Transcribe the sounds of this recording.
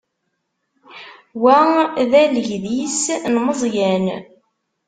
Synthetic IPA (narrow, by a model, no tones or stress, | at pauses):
wæðæləʝðisnməzˤjæn